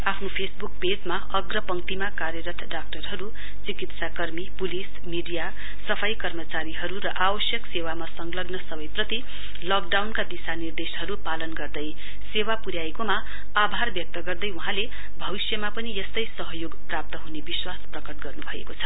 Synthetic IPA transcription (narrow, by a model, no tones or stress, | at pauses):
apʰnopʰesbuk̚ped͡zma | ʌɡrʌpʌŋt̪imakaɾjʌɾʌt̪ʰɖak̚ʈʌrɦʌɾu | t͡sikit̪sakʌrmipulis | miɖija | sʌpʰajkʌrmʌt͡saɾiɦʌɾuɾʌʔawʌsjʌksewamasʌŋɡlʌɡnʌsʌbʌjprʌt̪i | lʌk̚ɖawnkad̪isanird̪esɦʌɾupalʌnɡʌrd̪ʌj | sewapuɾjaekoma | abʱarbjʌk̚t̪ʌɡʌrd̪ʌjuɦãle | bʱʌbisjʌmapʌnijʌst̪ʌjsʌɦʌjoɡprap̚t̪ʌɦunebiswasprʌkʌʈ̚ɡʌrnubʱʌḛkot͡sʰʌ̥